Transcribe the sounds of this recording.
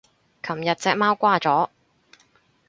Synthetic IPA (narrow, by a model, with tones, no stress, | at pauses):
kʰɐ˨˩mjɐ˨t̚t͡sɛː˧k̚maː˥wkʷaː˥t͡sɔː˨˥